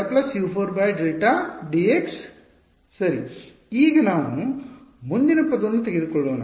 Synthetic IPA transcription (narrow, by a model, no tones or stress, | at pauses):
plɐsjuːpʰoːɾbɐːjɖɾeːʈaːɖieksː | ɐɾi | iːɡɐnaːʋu | mund̪inɐpɐd̪onːut̪eɡid̪ukɔɭːoːnɐ